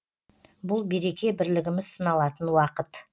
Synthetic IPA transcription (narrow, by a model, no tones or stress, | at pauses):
bʊlˠbe̞ɾe̞kʲe̞bɪɾlɪɡʲɪmɪzsənɑlˠɑt̪ənwɑqət̪